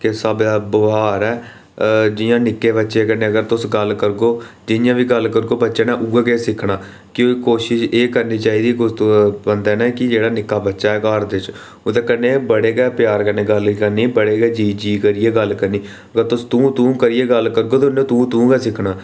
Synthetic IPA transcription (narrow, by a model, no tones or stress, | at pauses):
kesəbaːbʊɦaːɾɛː | d͡ʒɪjãːnɪkːeːbətːʃeːkənːẽːəɡəɾt̪ʊsɡəlkəɾɡoː | d͡ʒɪnɪjãːʋiːɡəlkəɾɡoːbətːʃeːnãːʔuːɛːɡeːsɪkʰnaː | kjõːkikoːʃɪʃeːkəɾniːt͡ʃaːiːd̪iːkʊt̪bənd̪ɛːnɛ̃ːkɪd͡ʒeːɽaːnɪkːaːbətːʃaːɦɛːkaːɾd̪ɪt͡ʃ | ʊːt̪eːkənːẽːbəɽeːɡɛːpjaːɾkənẽːɡəlkəniːbəɽeːɡɛːd͡ʒiːd͡ʒiːkəɾiːeːɡəlkəɾniː | əɡəɾt̪ʊst̪ũːt̪ũːkəɾiːeːɡəlkəɾɡoːt̪ːʊnːẽt̪ũːt̪ũːɡɛːsɪkʰnaː